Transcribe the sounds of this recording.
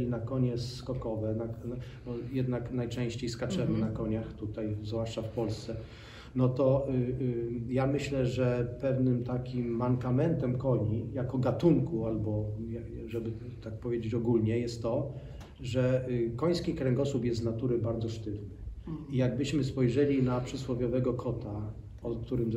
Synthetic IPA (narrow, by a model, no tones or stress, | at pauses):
inakɔɲɛskɔkɔvɛna | ɔjɛd̪naknajt͡ʂɛ̃ɕt͡ɕejskat͡ʂɛmɘnakɔɲaxt̪ut̪ajzvwaʂt͡ʂafpɔlst̪sɛ | nɔt̪ɔ | jamɘɕlɛʐɛpɛvnɘmt̪akʲimːaŋkamɛnt̪ɛmkɔɲijakɔɡat̪uŋkualbɔjaʐɛbɘ | t̪ak̚pɔvʲjed͡ʑet͡ɕɔɡulɲɛjɛst̪ːɔ | ʐɛkɔj̃skʲikɾɛŋɡɔsupjɛst̪nat̪uɾɘbaɾd̪zɔʂt̪ɘvnɘijaɡ̚bɘɕmɘspɔjʐɛlʲinapʂɛswɔvʲjɔvɛɡɔkʰɔt̪a | ɔkt̪uɾɘm